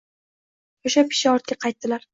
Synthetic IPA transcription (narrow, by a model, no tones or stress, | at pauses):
oʃap̚kʲʰɪ̥ʃɪɒɾt̪̚kʲaqʰɑjt̪̚ːɪlaɾ